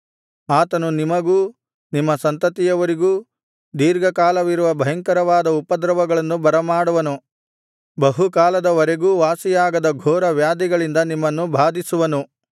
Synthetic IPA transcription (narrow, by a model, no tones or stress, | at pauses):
aːt̪ɐnunimɐɡuː | nimːɐsɐnt̪ɐt̪ijɐʋɐɾiɡuː | d̪iːɾɡɐkaːlɐʋiɾuʋɐbʱɐɦɐŋkɐɾɐʋaːd̪ɐupɐd̪ɾɐʋɐɡɐɭɐnːubɐɾɐmaːɽuʋɐnu | bɐɦukaːlɐd̪ɐʋɐɾeɡuːʋaːsijaːɡɐd̪ɐɡʱɔːɾɐʋjaːd̪iɡɐɭind̪ɐnimːɐnːubʱaːd̪isuʋɐnu